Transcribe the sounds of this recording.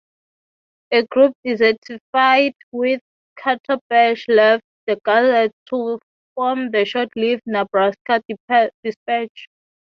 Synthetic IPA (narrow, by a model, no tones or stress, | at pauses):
ɛɡɹup̚dizɛtʰifajdwiθ | kʰatʰabɛʃlɛftdəɡazɛtʰu | fɔmðəʃɔtʰlifnabɹaskadd̥ispɛt͡ʃ